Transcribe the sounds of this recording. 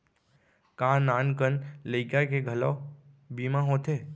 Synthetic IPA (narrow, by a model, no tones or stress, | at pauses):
kãnaːnkənləɪkakeɡʱəlaː | biːmãɦõːt̪ʰeː